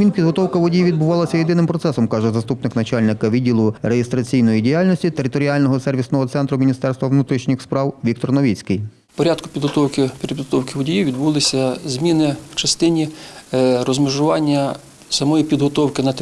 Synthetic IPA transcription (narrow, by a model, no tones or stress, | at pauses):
mʲinpʲid̪ɦɔt̪ɔwkɐʋɔdʲijiʋʲid̪̚bʊʋɑlˠɐsʲɐjed̪ɪnɪmpɾɔt̪sɛsɔmkɑʒɛzɐst̪upnɪknɐt͡ʃɑlʲnɪkɐʋʲidʲːilˠʊɾejest̪ɾɐt͡sʲijnɔjidʲijɑlʲnɔsʲtʲit̪eɾɪt̪ɔɾʲɪɑlʲnɔɦɔsɛrʋʲisnɔɦɔt̪sɛnt̪ɾʊmʲinʲist̪ɛrst̪ʋɐʋnut̪ɾʲiʃnʲɪxspɾɑwʋʲik̚t̪ɔrnɔʋʲit͡sʲkɪj | pɔɾʲad̪kʊ̥pʲid̪ɦɔt̪ɔwkɪpʲiɾɪd̪ɦɔt̪ɔwkɪʋɔdʲijiʋʲid̪bulˠɪsʲɐzmʲinɪw̥t͡ʃɐst̪ɪnʲi | rɔzmʲiʒʊʋɑnʲːɐ | sɐmɔjipʲid̪ɦɔt̪ɔwkɪnɐ